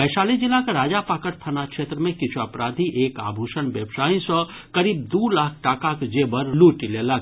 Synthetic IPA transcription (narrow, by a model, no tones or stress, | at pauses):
bəʃaːlid͡ʒɪlːakaɾaːd͡ʒapaːkəɾt̪ʰənakʃeːt̪ɾəmẽkɪt͡ʃʰuapɾaːd̪ʱiʔeːka̰ːbʱuːʃənʋjəbʃaːĩsɔ | kɐɾiːb̚d̪uːlaːkʰʈaːkakd͡ʒeːbəɾluːʈilela